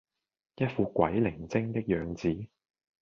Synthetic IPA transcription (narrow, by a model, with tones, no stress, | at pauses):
jɐ˥t̚fuː˧kʷwɐ˨˥jlɪ˨˩ŋt͡sɪ˥ŋt̪ɪ˥k̚jœː˨˧ŋt͡siː˨˥